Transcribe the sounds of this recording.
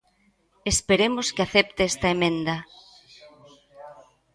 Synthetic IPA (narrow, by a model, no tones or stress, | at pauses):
espeɾemoskɪaθɛp̚t̪eɛst̪ɐemẽnd̪ɐ